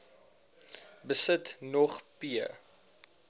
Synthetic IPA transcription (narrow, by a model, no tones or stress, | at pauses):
bəsətnɔχpiə